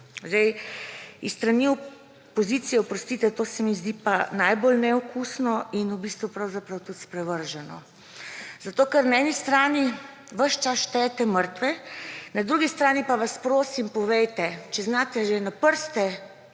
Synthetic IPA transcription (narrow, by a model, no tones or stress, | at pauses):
zɛj | ist̪ɾaniu | pɔziːt̪sijɛɔpɾɔst̪it̪ɛt̪oːsɛmizd̪ipanajbolnɛɔkʰusnɔinubist̪ʋupɾawzapɾawt̪ut̪spɾɛʋəɾʒɛnɔ̰ | zat̪oːkɛɾnaɛnist̪ɾaːni | ʋəʃt͡ʃasʃt̪ɛt̪ɛməɾt̪ʋɛnad̪ɾuɡist̪ɾaːnipaʋaspɾoːsimpɔʋɛjt̪ɛt͡ʃɛznaːt̪ɛʒɛnapəɾst̪ɛ